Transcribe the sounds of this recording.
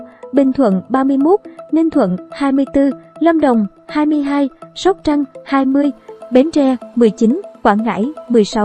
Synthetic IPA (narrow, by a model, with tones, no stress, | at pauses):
ɓï˨˩ŋ̟t̪ʰwə̰˧˨nɓaː˧mɨ˧əjmo˦˥t̚ni˧nt̪ʰwə̰˧˨nhaː˧jmɨ˧əjt̪ɨ˧lə˧mɗə˨˩wŋ͡m | haː˧jmɨ˧əjɦaː˧jsə˦˥k͡p̚t͡ɕa˧mhaː˧jmɨ˧əjɓe˨˦nt͡ɕɛ˧mɨ˨˩əjt͡ɕi˨˦nkwaː˧˩nŋa̰ː˧˥jmɨ˨˩əjsa˨˦w